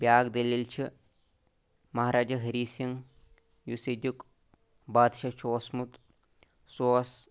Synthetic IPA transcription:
bʲaːɡd̪ɐlilt͡ʃʰi | mɐɦɾaːd͡ʒɐɦɐɾiːsiŋ | jused̪ʲuk | baːd̪ʃɐt͡ʃʰiosmut̪ | soːs

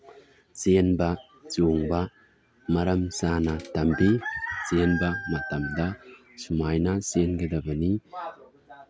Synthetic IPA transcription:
senba | t͡ʃoŋba | mɐɾɐmsanatɐmbisenbamɐt̪ɐmd̪a | sumajnasenɡɐd̪ɐbɐni

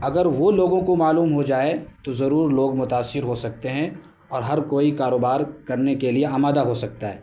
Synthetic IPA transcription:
ɐɡəɾʋoloːɡõkomaːluːmɦod͡ʒaːet̪ozɐɾuːɾloːɡmʊt̪aːsːɪɾɦosɐk̚t̪eɦɛ̃ | ɔːɾɦɐɾkoːikaːɾoːbaːɾkɐɾnekelieaːmaːd̪aɦosɐk̚t̪aɦɛː

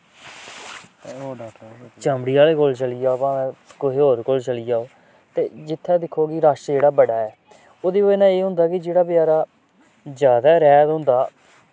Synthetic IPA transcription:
t͡ʃəmɽiːaːleːkoːlt͡ʃəliːd͡ʒaːpãːɛ̃ːkoɦeːɦoːɾkoːlt͡ʃəliːaːoː | t̪eːd͡ʒɪt̪ʰːɛːd̪ɪkʰːoːkɪɾaːʃd͡ʒeːɽaːbəɽaːɛː | oːd̪iːoenãːeːɦʊ̃nd̪aːkɪd͡ʒeːɽaːpjaːɾaː | zjaːd̪aːɾɛːd̪ɦʊ̃nd̪aː

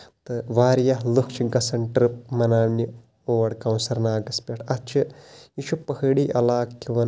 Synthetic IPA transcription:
t̪ɨʋaːɾjɐɦlukʰt͡ʃʰiɡɐsɐɳʈɾɨp̚mɐnaːnːi | oːʋɐɽkɐwnsɐɾnaːɡɐspʲeʈʰɐt͡ʃʰɨiʃʰupɐhɐɽiːʔɐlaːkːiʋɐn

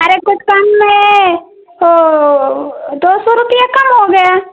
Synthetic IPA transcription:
əɾekʊt͡ʃʰkɐmmẽ | d̪oːsɔɾʊpijakɐmɦoɡɐjaː

